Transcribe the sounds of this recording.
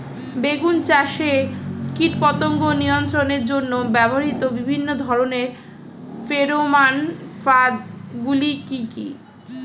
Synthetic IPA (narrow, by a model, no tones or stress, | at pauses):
beɡunt͡ɕaʃekiʈpɔt̪oŋɡoniont̪ɾoneɾd͡ʑonːobɛboɾit̪obibʱinːod̪ʱɔɾoneɾ | feɾomanfad̪ɡulikikḭ